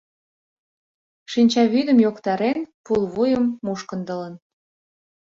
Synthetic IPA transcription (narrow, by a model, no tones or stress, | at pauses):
ʃinʲt͡ɕɑβyd̪əmjokt̪ɑɾenpulβujəmːuʃkənd̪ələ̆n